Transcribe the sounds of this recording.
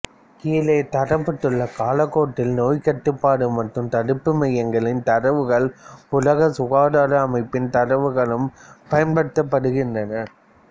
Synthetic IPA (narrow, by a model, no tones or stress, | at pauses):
kiːleːt̪ɐɾɐpːɐʈːɯɭːɐkaːlɐkːoːʈːɪlnoːjkɐʈːɯpːaːɽɯmɐʈrɯmt̪ɐɽɯpːɯmɐjɐŋɡɐɭɪnt̪ɐɾɐʋɯɣɐɭʊlɐɣɐsʊɣaːɽaːɽɐːmɐɪpːɪnt̪ɐɾɐʋɯɣɐɭɯmpɐjɐnbɐɽɯt̪ːɐpːɐɽɯɣɪndrɐnɐ